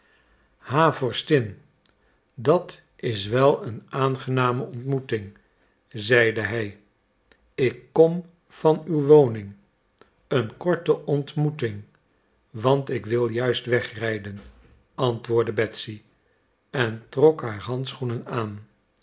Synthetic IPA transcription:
haːvɔɹstɪn | dɑt | ɪsʋɛlˠənaːnχənaːməɔntmutɪŋ | zɛjdəɦɛj | ɪkːɔm | fɑnywʋownɪŋ | ənkɔɹtəʔɔntmutɪŋ | ʋɑntɪkʋɪlˠjœɥstʋɛχrɛjdən | ɑntʋʊːɹdəbɛtsi | ɛntrɔkɦaːɹɦɑntsχunənaːn

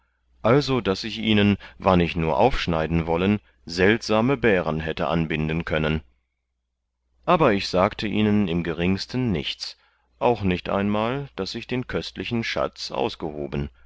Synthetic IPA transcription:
ʔalzodasɪçʔiːnənvanɪçnuːɐʔaʊfʃnaɪdn̩vɔlən | zɛltz̥aːməbɛːʁənɦɛtə̰ʔa̰nbɪndən̩kʰœnən | ʔaːbɐɪçz̥aːktʰəʔiːnənɪmɡəʁɪŋstən̩ːɪ̰çt͡s | ʔaʊxnɪçtʔa̰ɪnmaːld̥asɪçd̥eːnkʰœstlɪçn̩ʃa̰t͡sʔa̰ʊsɡ̥əho̰ːbən

